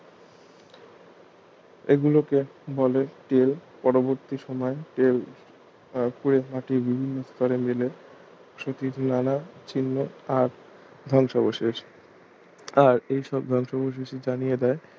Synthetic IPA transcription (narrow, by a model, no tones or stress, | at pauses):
eɡulokebɔleʈelpɔɾoboɾt̪iʃɔmɔeʈel | puɾemaʈiɾbibʱinːost̪ɔɾemele | ʃot̪iɾnanat͡ɕʰinːoaɾ | d̪ʱɔŋʃaboʃeʃ | aɾejʃɔb̚d̪ʱɔŋʃaboʃ̬eʃid͡ʑanijed̪ɛe